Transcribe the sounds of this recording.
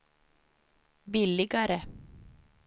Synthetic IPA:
bɪlɪɡaɾə

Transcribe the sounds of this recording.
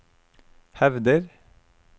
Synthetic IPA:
hɛʋd̪əɾ

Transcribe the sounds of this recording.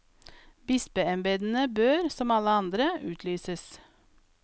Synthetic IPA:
bɪspəɛmbeːd̪n̩əbøːɾsɔmɑləɑnd̪ɾəʉːt̪ʰlyːsəs

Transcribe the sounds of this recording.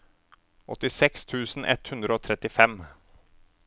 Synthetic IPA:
ʔɔt̪ɪsɛkst̪ʰʉːsn̩ʔɛ̰t̪hʉnd̪ɾəoːt̪ʰɾɛt̪ɪfɛm

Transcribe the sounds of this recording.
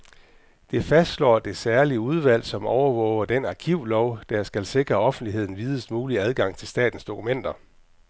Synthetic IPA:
d̥e̝fæsd̥slɒ̰ːd̥e̝sæɐliəuð̞ˠʋæl̰sɒ̽mɒʊɐʋɔ̰̽ʊɐd̥enɑ̈kʰiʊ̰lɒʊd̥æjasɡ̥ælse̝ɡ̥ʁɐɒ̽fn̩d̥liɦe̝ð̞̰ˠn̩ʋiːð̞ˠəsd̥muːliæð̞ˠɡ̥ɑ̈ŋ̰t͡sʰe̝lsd̥ɛ̰ːd̥n̩sd̥o̝kʰumen̰d̥ɐ

